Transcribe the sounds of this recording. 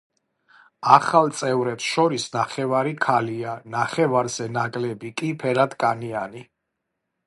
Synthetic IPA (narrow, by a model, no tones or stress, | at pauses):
aχalˠt̪sʼɛvɾɛpsʃɔɾisnaχɛvaɾikʰalianaχɛvaɾz̥ɛnakʼlɛbikʼipʰɛɾad̪kʼaniani